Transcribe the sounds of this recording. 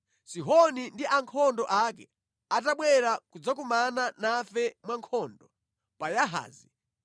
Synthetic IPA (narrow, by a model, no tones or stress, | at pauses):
siɦɔnindiʔaŋkʰɔndɔʔakɛ | ataɓwɛɾakud͡zak̬umananafɛmwaŋkʰɔndɔ | pajaɦa̰ːzi